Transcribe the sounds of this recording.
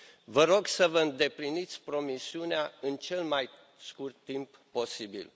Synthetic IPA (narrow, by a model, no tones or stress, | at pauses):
vəɾo̞ɡsəvəɨnd̪e̞plinit̪sʲpɾo̞misiuneaɨnt͡ʃe̞lmaj | skurt̪ːimpːo̞sibḭl